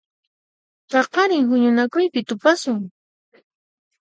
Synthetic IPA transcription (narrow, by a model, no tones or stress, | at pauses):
pɑqɑɾɪŋhʊɲʊnakʊjpɪt̪ʊpasʊŋ